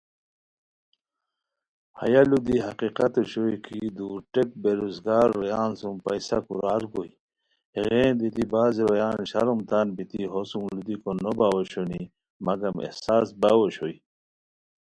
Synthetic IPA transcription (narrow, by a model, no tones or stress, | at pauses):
ha̰jalud̪iɦɐqiqat̪oɕojkʰid̪uːɾʈek̚beɾuzɡaːɾːjaːnsumpɐjsakuɾaːɾɡoj | eɣeːnd̪it̪ibaːzeɾɐjaːnɕaɾumt̪anbit̪iɦosumlud̪ikonobawoɕoni | mɐɡɐmḛhsaːsbawoɕoi